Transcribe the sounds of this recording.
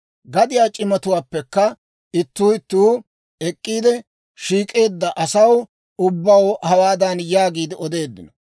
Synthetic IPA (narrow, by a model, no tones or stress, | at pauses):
ɡɐd̪ɪjaːt͡ʃʼɪmɐt̪ʊwaːpːɛkːɐ | ɪt̪ːuːɪt̪ːuː | ɛkʼːiːd̪ɛ | ʃiːkʼe̞ːd̪ːɐʔɐsɐw | ʊbːɐwhɐwaːd̪ɐnjaːɡiːd̪ɪɔd̪e̞ːd̪ːɪnɔ